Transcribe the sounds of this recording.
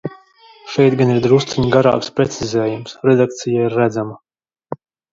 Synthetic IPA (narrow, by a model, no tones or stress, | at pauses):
ʃɛjt̪ɡaniɾd̪ɾust̪siɲɡaɾa̰ːkspɾɛt̪sizʲɛːjumsɾɛd̪ak̚t̪sijaiɾːæd̪zama